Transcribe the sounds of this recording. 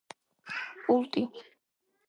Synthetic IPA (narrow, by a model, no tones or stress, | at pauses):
pʼulˠt̪ʼini